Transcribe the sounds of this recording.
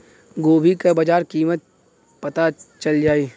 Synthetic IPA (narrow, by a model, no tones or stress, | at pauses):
ɡoːbʱikabɐd͡ʒaːɾkiːmət̪̚ | pɐt̪at͡ʃɐld͡ʒaːiː